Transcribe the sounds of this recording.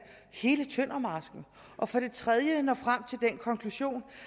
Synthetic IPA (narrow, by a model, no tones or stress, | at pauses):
he̝ːlət͡sʰøn̰ɐmɑ̈ːsɡ̥n̩ | ʔɒ̽fɒ̽ɾ̥e̝t͡sʰʁɛð̞ˠjənɒ̽fʁam̰t͡sʰe̝ld̥enkʰɒ̽ŋkʰluɕo̝̰ːn